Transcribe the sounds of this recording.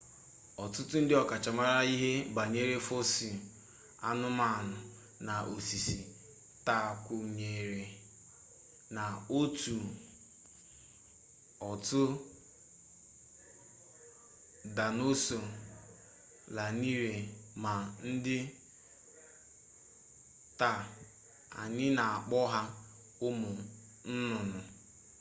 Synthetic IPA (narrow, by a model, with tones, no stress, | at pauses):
ɔ˨tʊ˦tʊ˦n̩˦dɪ˦ɔ˨ka˨t͡ʃa˨ma˦ɾa˦i˦ɦe˦ba˨ɲe˦ɾe˦fo˦si˨ | a̰˦nʊ˦ma˦˨nʊ˨ | na˨ʔo˨si˨si˨ | ta˦˨kʷʊ˨ɲe˨ɾe˨ | na˨o˦tu˨ | ɔ˨tʊ˦ | da˨no˦so˨ | la˨ni˦ɾe˨ma˨n̩˦dɪ˦ | ta˨ | a̰˨ɲɪ˦na˨a˨k͡pɔ˦ɦa˦ | ʊ˦mʊ˨ | n̩˦nʊ˨nʊ˨